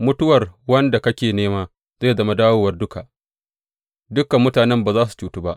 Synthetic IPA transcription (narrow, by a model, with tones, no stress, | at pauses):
mʊ˦tʊ˦wɐ˨rwɐ˦nda˨kɐ˦kʲeː˨neː˦maː˦ | z̥e˦˨zɐ˦˨ma˦daː˦woː˦wɐ˨rdʊ˦ka˨ʔ | dʊ˦ka˨mːʊ˦taː˨nɛ˦mbaː˨zaː˦s̬u̥˨t͡ʃuː˨tu˦ba˦ʔ